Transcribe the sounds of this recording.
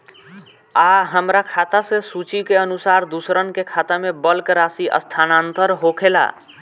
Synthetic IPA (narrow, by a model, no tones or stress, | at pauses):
aɦəmɾakʰat̪asẽsut͡ʃikeənusaɾd̪usɾənkekʰat̪amebəlkɾasiʔə̰st̪ʰanant̪əɾɦokʰela̰